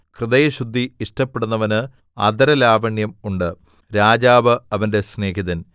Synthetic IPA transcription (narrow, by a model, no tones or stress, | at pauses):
krɨðɐjɐɕud̪ʱːiiʂʈɐpːeɽunːɐʋɐnɨ | ɐd̪ɐɾɐlaːʋɐɳjɐmuɳɖɨ | ɾaːd͡ʑaːʋɨɐʋɐnde̞sne̞ːɦiðɐn